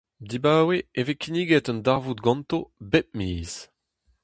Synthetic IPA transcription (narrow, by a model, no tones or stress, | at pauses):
d̪ibaːweevekʰiniːɡɛt̪ɔ̃ndaʁvut̪ɡɑ̃nt̪obɛp̚miːz̥